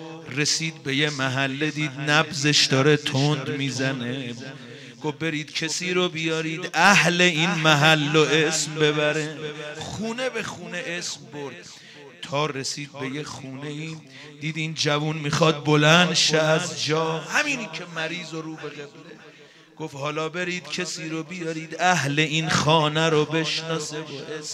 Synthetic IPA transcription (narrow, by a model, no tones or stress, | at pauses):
ɾe̞siːd̪̚be̞je̞mæɦælːed̪iːd̪næbze̞ʃd̪ɒːɾet̪ʰond̪miːzæne | ɡ̥ofbe̞ɾiːd̪̥̚cʰesiːɾobijɒːɾiːd̪æhle̞iːnmæɦælːoʔesmbe̞bæɾeχuːne̞bexuːneʔesmboɾd̪̥̚ | t̪ʰɒːɾesiːd̪̚be̞jexuːne̞iː | d̪iːd̪iːnd͡ʒævunmixɒːd̪̚bo̞lænd̪ʃeæzd͡ʒɒːhæmiːniːkʰemæɾiːzoɾuːbeɣebd̪e | ɡ̥ofhɒːlɒːbe̞ɾiːd̪cʰesiːɾobijɒːɾiːd̪æhle̞inxɒːnæɾobe̞ʃnɒːse